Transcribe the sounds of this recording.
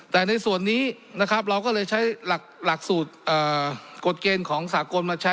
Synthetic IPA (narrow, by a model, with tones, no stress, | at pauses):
t̪ɛː˨˩na˧jsu˨˩ənːiː˦˥ | na˦˥kʰɾa˦˥p̬̚ɾa˧wkɔː˥˩lɤː˧jt͡ɕʰa˦˥jla˨˩k̚la˨˩k̚suː˨˩t̪̚ʔɤː˨˩ko˨˩t̪̚keː˧nkʰɔː˩˦ŋsaː˩˦ko˧nmaː˧t͡ɕʰa˦˥